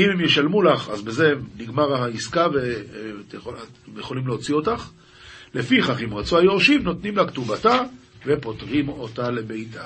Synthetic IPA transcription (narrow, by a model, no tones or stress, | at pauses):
imemjeʃalmulaχazbeze̞niɡmaʁaiskave | omjeχo̞limleot͡sio̞taχ | le̞fiχaχimʁat͡suajoʁʃivno̞t̪nimlakt̪ubata | ve̞po̞tʁimo̞tale̞be̞jtʰa